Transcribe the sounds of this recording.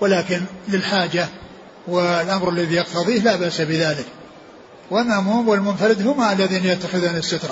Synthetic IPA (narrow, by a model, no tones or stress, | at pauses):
wɪlaːkɪnlɪlħaːd͡ʒa | wɪlʔamɾalːaðijɑqt̪ɑðˤiːhlaːbaʔsabɪðaːlɪk | wʔamːamʊhɪmːwɪlmʊnfaɾɪd̪ɦʊmaʔalːaðiːnjat̪ːaxɪðuːnɪsːat̪ɾˤɑ